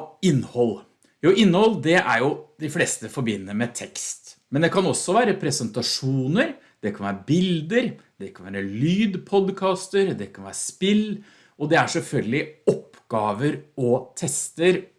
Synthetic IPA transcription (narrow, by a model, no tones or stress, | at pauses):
ɪnːhɔlː | juːɪnːhɔld̪ɛʔæ̰ɾjʊd̪ɪfleːst̪əfɔɾbɪnːəɾmɛt̪ʰɛkst̪mɛnd̪ɛkʰɑnɔsːɔʋæːɾəpʰɾɛsənt̪ɑʂuːnəɾ | d̪̥ɛkʰɑnʋæ̰ːɾəbɪld̪əɾd̪ɛkʰɑnʋæːɾəlyːd̪pʰɔd̪kʰɑːst̪əɾd̪ɛkʰɑnʋæ̰ːɾəspɪl | ɔd̪ɛæʂɛlfœlɡəlɪɔpːɡ̥ɑːʋəɾɔt̪ʰɛst̪əɾ